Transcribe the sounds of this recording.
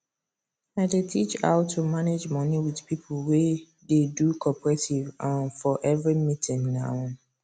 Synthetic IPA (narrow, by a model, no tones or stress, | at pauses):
aɪdetʰit͡ʃa̰ʊtʰumaned͡ʒmɔniwiðpipʰl̩we | dedukʰɔpɹɛtʰivãnfɔʔɛvɹimitʰɪ̃ŋnaʊ